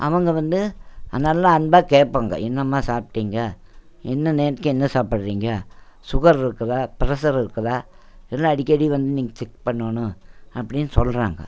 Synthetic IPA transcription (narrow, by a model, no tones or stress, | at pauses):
ʔɐ̰ʋɐŋɡɐʋɐnd̪ɯɐnɐlːãɐnbaːkeːʈpːaːŋɡɐ̰ʔɛnːɐmːaːsaːp̚ʈːiːŋɡɐ | ɛnːɐneːɾkːɯ̃ɛnːɐsaːpɪɽɾiːŋɡɐsʊɣɐɾɪɾɯkːɐðãːpɪɾɐsɐɾɪɾɯkːɐðãː | ɛlːãːɐɽɪkʲːɐɽiʋɐnd̪ɯniːŋɡɐt͡ʃɛkpɐɳːɐɳʊ̃ɐpːɐɽɪnːɯsɔlɾa̰ːŋɡɐ̰